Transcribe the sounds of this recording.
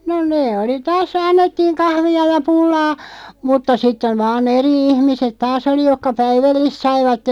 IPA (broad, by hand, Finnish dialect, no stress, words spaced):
no neː oli tɑːs ɑnːetːiːŋ kɑhʋiɑ jɑ pulːɑː mutːɑ sitːeʋ̆ ʋɑːn eri ihmiset tɑːs oli jokːɑ pæiʋælːist sɑiʋɑtːem